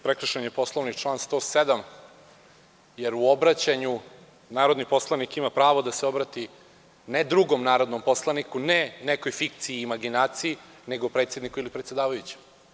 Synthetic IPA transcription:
pɾekɾ̩ʃenepo̞slˠoʋniʈ͡ʂlˠaːnst̪oːsed̪am | jeɾuobɾat͡ɕaɲu | naːɾo̞d̪nipo̞slˠanikimapɾaːʋod̪aseo̞bɾat̪i | ned̪ɾuɡo̞mnaːɾo̞d̪no̞mpo̞slˠanikuneneko̞jfikt̪siiːmaɡinaːt̪sii | ne̞ɡopɾet̪sje̞d̪nikuilipɾet̪sed̪aːʋajut͡ɕe̥m

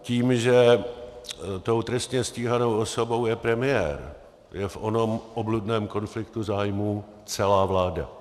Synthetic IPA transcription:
ciːmʒɛ | t̪o̞wt̪ɾɛst̪ɲɛsciːɦano̞wosobo̞wjɛpɾɛmɪjɛ̰ːɾ | jɛfʔo̞no̞mʔobludnɛːmko̞nflɪk̚t̪uzaːjmuː | t͡sɛlaːvlaːda̰

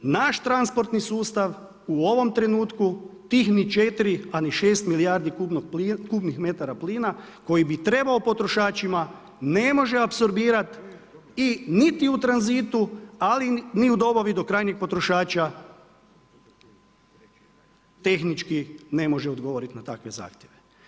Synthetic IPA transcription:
naʃt̪ɾanspo̞ɾt̪nisuːst̪aʋ | uo̞ʋo̞mt̪ɾe̞nuːt̪kut̪ixnit͡ʃe̞t̪iɾianiʃe̞ːst̪milijaɾd̪ikubnoɡ̚pːkuːbnixme̞t̪aɾapliːnako̞jibit̪ɾe̞baopo̞t̪ɾo̞ʃaːt͡ʃima | ne̞mo̞ʒeapso̞ɾbiːɾat̪ | init̪iut̪ɾanzit̪ualiniud̪o̞baʋid̪o̞kɾaːjɲiɡ̚po̞t̪ɾo̞ʃaːt͡ʃa | t̪e̞xnit͡ʃkine̞mo̞ʒeod̪ɡoʋoːɾit̪nat̪akʋe̞za̰ːxt̪jeʋe

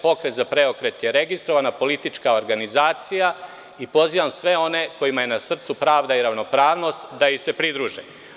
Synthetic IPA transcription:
po̞kɾe̞t̪zapɾe̞okɾe̞t̪jeɾe̞ɡist̪ɾo̞ʋanapo̞lit̪it͡ʂkaoɾɡanizaːt̪sija | ipo̞ziːʋamsʋe̞o̞ne̞ko̞jimajenasr̩t̪supɾaːʋd̪aiɾaʋno̞pɾaːʋno̞st̪d̪aise̞pɾid̪ɾuːʒe

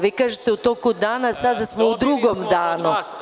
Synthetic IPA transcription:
ʋikaːʒet̪eut̪o̞ːkud̪aːnasad̪asmoud̪ɾuɡomd̪aːnu

